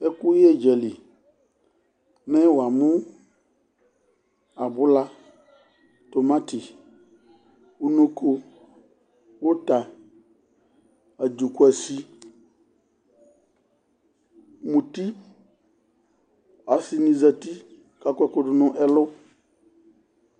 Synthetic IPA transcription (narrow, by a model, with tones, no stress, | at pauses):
e˦ku˦je˦d͡ʒɛ˨li˨ | mɛ̃˦wo˨a˨mũ˦ | a˨bʊ˦la˦ | t̪o˨mã˦t̪i˨ | u˦no˦kʰo˦ | wo˦t̪a˨ | a˨d͡ʒu˨ku˦ɛ˨si˦ | mũ˨t̪i˦ | a˨si˨nĩ˨zɛ˦t̪i˦ | ka˦kʷɛ˦ko˦ɖʊ˨˦nʊ̃˦ʔɛ˨lʊ˦